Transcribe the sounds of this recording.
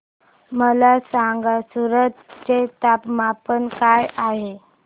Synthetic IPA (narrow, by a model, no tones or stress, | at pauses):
məlasaŋɡasuɾət̪t͡set̪apmapənkajaɦe